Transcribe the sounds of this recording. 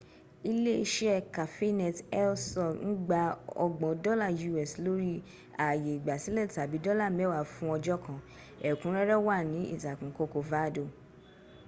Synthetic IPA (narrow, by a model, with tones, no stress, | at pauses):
i˧le˦i˧ʃɛ˦ɛ˦˨ka˨fe˦nɛ˨tɛ˦lsɔ˦˨n̩˦ɡ͡ba˧ɔ̰˧ɡ͡bɔ̃˨˦dɔ˦la˦˨ju˧˨ɛ˨slo˦ɾi˦ | a˨je˨i˨ɡ͡ba˨si˨˦lɛ˦˨ta˨bi˨˦dɔ˦la˦˨mɛ̃˨˦wa˦˨fũ˦ɔ˧d͡ʒɔ˦kã˨ | ɛ˨kũ˨˦ɾɛ˦ɾɛ˦wa˦˨nĩ˨˦ḭ˦˨za˨kũ˨˦ko˧ko˨va˨˦˨do˨